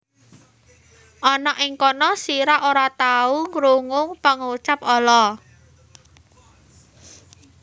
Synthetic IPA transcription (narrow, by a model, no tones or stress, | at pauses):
ʔɔnɔʔɪŋkɔnɔsiɾaʔoɾat̪auŋɡɾuŋʊŋpəŋut͡ʃapɔlɔ